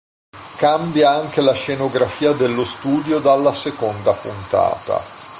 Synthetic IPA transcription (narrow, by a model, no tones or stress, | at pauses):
kambjaaŋk̟elaʃenoɡɾafiːad̪elːost̪uːd̪jod̪alːasekond̪apunt̪a̰ːt̪a̰